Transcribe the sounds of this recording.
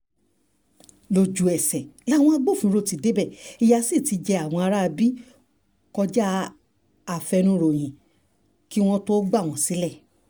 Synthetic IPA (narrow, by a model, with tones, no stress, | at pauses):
lo˨d͡ʒu˨ɛ˨sɛ˨la˦w̃ɔ̃˦a˧ɡ͡bo˦˨fĩ˨˦ɾo˦˨ti˨de˨˦bɛ˦˨i˧ja˧si˦˨ti˨˧d͡ʒɛ˧a˨w̃ɔ̃˧a˧ɾa˦˧bi˦ | kɔ˧d͡ʒa˦ | a˨fɛ˧nũ˧˦˧ɾo˨j̃ĩ˨ | ki˦w̃ɔ̃˦to˦ɡ͡ba˦˨w̃ɔ̃˨si˨˦lɛ˦˨